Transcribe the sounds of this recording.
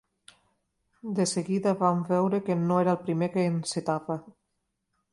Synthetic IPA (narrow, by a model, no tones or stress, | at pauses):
d̪əseɣiðaβambɛwɾəkenoeɾaelˠpɾimekeːnset̪aβa